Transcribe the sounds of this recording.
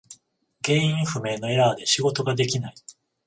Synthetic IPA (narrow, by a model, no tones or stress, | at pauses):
ɡẽ̞ːĩɰ̃ɸɯ̟me̞ːno̞e̞ɾaːd̪e̞ɕiɡo̞t̪o̞ɡad̪e̞k̬ʲinai